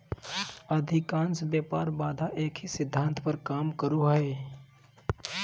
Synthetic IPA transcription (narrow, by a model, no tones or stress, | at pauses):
əd̪ʱɪkaːnsbjaːpaːɾbaːd̪ʱaʔeːkʰisɪd̪ʱːãːnt̪ʰpəɾkaːmkəɾuɦɛː